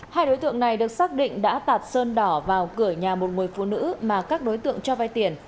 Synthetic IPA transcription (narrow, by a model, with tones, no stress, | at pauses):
haː˧jɗo˨˦jt̪ɨ̰˧˨əŋna˨˩jɗɨ˨˩ək̚saː˦˥k̚ɗḭ˧˨ŋ̟ɗa̰ː˧˥t̪aː˨˩t̚səː˧nɗɔ˧˩vaː˨˩wkɨ˧˩əɲaː˨˩mo˨˩t̚ŋu˨˩jfṵ˧˨nɨ̰˧˥maː˨˩kaː˦˥k̚ɗo˨˦jt̪ɨ̰˧˨əŋt͡ɕɔ˧vaː˧jt̪i˨˩ən